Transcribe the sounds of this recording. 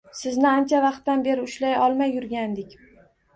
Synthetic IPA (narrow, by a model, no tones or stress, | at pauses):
sɪznɪant͡ʃʰavɑqt̪ːanbe̞ɾɪʊʃlajɒlˠmajːʊɾɡʲand̪ɪkʲ